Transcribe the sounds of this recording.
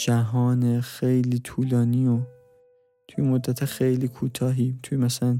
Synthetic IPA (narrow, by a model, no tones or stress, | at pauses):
d͡ʒæɦɒːnexejliːt̪ʰuːlɒːniːo | t̪ʰujemod̪ːæt̪ʰexejliːkʰuːt̪ʰɒːɦiːt̪ʰujemæsælæn